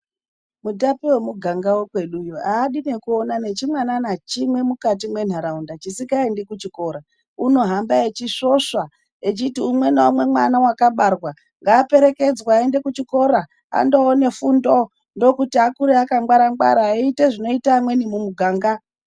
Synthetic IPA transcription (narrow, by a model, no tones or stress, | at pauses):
mutapiwe̞muɡʱaŋɡawokwe̞ɗujoaːɗinekuonane̞t͡ʃimwananat͡ʃimwe̞mukat̬imwe̞n̤aɾaundat͡ʃisikaendekut͡ʃiko̞ːɾa | uno̞ɦambaet͡ʃiʂo̞ʂa | et͡ʃitiumwe̞naumwe̞mwanawakaɓarwa | ŋɡaːpe̞ɾe̞ke̞d͡zwaːende̞kut͡ʃiko̞ɾa | a̰ndoːne̞fundo̞ | ndo̞kutiakuɾeakaŋɡwaɾaŋɡwa̰ɾaite̞ʐino̞itaːmwe̞nimumuɡʱaːŋɡa